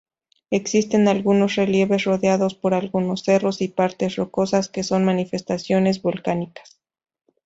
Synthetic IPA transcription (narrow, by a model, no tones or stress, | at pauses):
e̞ksist̪e̞nalɣuno̞sre̞lje̞βe̞sro̞ðjaðo̞spo̞ɾalɣuno̞sːe̞ro̞sipaɾt̪e̞sro̞ko̞saske̞so̞nmanife̞st̪asjo̞ne̞zβolkanikḁs